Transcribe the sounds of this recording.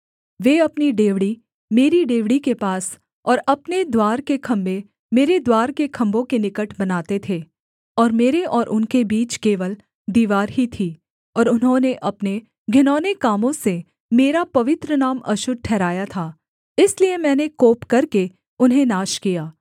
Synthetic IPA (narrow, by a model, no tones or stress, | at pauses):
ʋeːɐpniɖeːʋɽi | meːɾiɖeːʋɽikepaːs | ɔːɾɐpned̪waːɾkekʰɐ̃mbe | meːɾed̪waːɾkekʰɐ̃mbõkenɪkəʈʰbɐnaːt̪et̪ʰeː | ɔːɾmeːɾeʔɔːɾʔʊnkebiːt͡ʃkeːʋəl | d̪iːʋaːɾɦit̪ʰiː | ɔːɾʊnɦõneʔɐpne | ɡʱɪnɔːnekaːmõse | meːɾapɐʋɪt̪ɾənaːmɐ̰ʃʊd̪̚ʈʰɛːɾaːjat̪ʰaː | ɪsliemɛ̃ːnekoːpkɐɾke | ʊnɦẽnaːʃkijaː